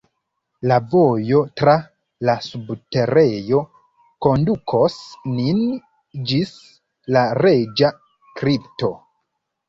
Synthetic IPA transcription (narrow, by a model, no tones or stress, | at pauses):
lavo̞jo̞tɾa | lasubte̞ɾe̞jo̞ | ko̞ndukʰo̞snin | d͡ʒis | laɾed͡ʒa | kɾipto̞